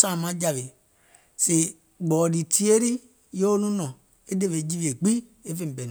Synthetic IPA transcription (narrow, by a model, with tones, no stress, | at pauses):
sa˦˨mã˨˦d͡ʒa˨ve˨ | se˨ | ɡ͡bɔ˨di˨tʰi˦e˦ɾi˦ | jo˦o˦nũ˦nɔ̃˨ | e˦de˦ve˨˦d͡ʒi˦vi˨e˨ɡ͡bi˦e˦fe˦˨m̩˨bɛ˨n˨